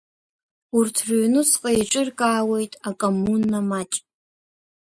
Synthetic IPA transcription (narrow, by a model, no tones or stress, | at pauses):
urtʰrunɨsqʼejʈ͡ʂʼɨrkʼaːwe̞jtʼakʼomːunːamat͡ʃʼ